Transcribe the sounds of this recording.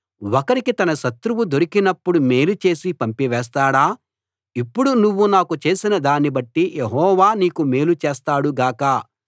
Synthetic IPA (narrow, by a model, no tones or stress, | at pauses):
wɔkɐɾikit̪ɐnɐʃɐt̪ɾuʋud̪o̞ɾikinɐpːuɽumeːlut͡ʃe̞ːsipɐmpiʋɛːs̬t̪aːɽaː | ipːuɽunuʋːunaːkut͡ʃe̞ːsinɐd̪aːnibɐʈːijeɦɔːʋaːniːkume̞ːlut͡ʃeːst̪aːɽuɡaːkɐ